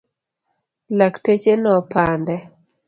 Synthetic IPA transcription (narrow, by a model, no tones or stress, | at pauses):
laktet͡ʃenɔpandɛ